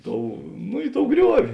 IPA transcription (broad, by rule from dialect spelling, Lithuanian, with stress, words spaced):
ˈtoːʊ nʊ ˈɪ ˌtoːʊ ˈɡrʲuɔʋʲɪ